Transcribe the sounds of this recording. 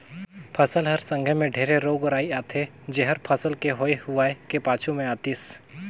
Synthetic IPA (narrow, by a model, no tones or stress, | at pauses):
pʰəsəlɦəɾsə̃ŋɡʱəmẽɖʱeːɾeɾoːɡɾaːiaːt̪ʰe | d͡ʒeɦəɾpʰəsəlkeɦoːehʊaːekepaːt͡ʃʰumẽaːt̪iːs